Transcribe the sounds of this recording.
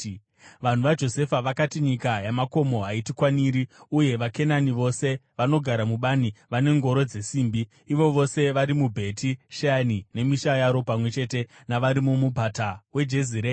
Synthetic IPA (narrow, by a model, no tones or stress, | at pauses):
ʋan̤uʋad͡ʒo̞se̞faʋakatiɲikajamako̞mo̞ɦaitikwaniːɾiuje̞ʋake̞naniʋo̞se̞ʋano̞ɡʱaɾamuɓaniʋane̞ŋɡo̞ɾo̞d͡ze̞siːmbiː | ʋo̞ʋo̞se̞ʋaɾimubʱe̞tiʃanine̞miʃajaɾo̞pamwe̞t͡ʃe̞te̞naʋaɾimumubʱatawe̞d͡ʒe̞ziɾe